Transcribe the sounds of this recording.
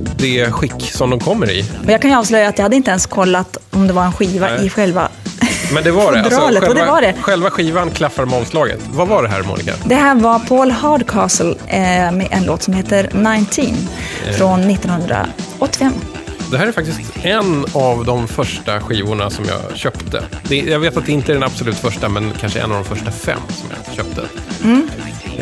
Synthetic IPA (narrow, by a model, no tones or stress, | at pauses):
d̪̥ɛɧɪkːsɔmd̪ɔmkʰɔmːəɾɪ̰ɔjɑːkʰanjɑːvslœjaːt̪jɑhad̪ːəɪnt̪əɛnskʰɔlːat̪ɔmd̪ɛvaɾɛnɧiːvaʔɪɧɛlva̰mɛnd̪ɛvaɾɛbɾɑːlət̪ɔd̪ɛvaɖɛɧɛlvaɧiːvankʰlafaɾɔmɑːvslɑːɡə̰t̪vavaɖɛɦæ̰ːɾmṵːnɪka̰d̪ɛɦæːɾvapʰoːlhɑːɖkʰɑːsəlmɛʔɛnloːt̪sɔmheːt̪əɾnaɪnt̪ʰinfɾɔnːɪt̪ːɔnhɵnd̪ɾa̰ʔɔt̪ːɪfɛmː | d̪ɛhæːɾɛɾfak̚t̪ɪst̪ɛnavd̪ɔmfœʂʈaɧiːvʊɳasɔmjɑ̰ːɕœpt̪ʰə̰d̪̥ɛjɑveːt̪at̪d̪ɛɪnt̪əæɖɛnabsɔlʉ̟ːt̪fœʂʈamɛnkʰanʂəʔɛ̰navd̪ɔmfœʂʈafɛ̰mːsɔmjɑ̰ːɕœ̰ːp̚t̪ʰə̰m̩ː